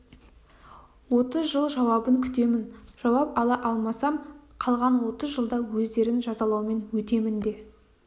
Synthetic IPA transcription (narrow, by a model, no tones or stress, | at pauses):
wo̞t̪əzʒəlˠʒɑwɑbəŋkʲʰʏ̥t̪e̞mɪnʒ̥ɑwɑp̚ɑlˠɑʔɑlˠmɑsɑmqʰɑlˠʁɑnwo̞t̪əzʒəlˠd̪ɑwɵzd̪e̞ɾɪnʒɑzɑlˠɑwme̞nwɵt̪e̞mɪnd̪e̞